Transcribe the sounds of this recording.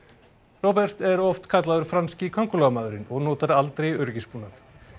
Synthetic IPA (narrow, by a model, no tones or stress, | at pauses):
rɔwpɛr̥t̪ɛɾɔft̪kʰat̪laðʏɾ̥fɾanscɪkʰɔŋkʏlɔɣamaːðʏɾɪnɔɣnɔːt̪aɾalt̪ɾejœɾcɪspuːnaθ